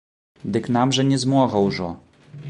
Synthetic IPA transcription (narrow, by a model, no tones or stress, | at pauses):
d̪ɨknamʐɛnʲɛzmɔɣɐwʐɔ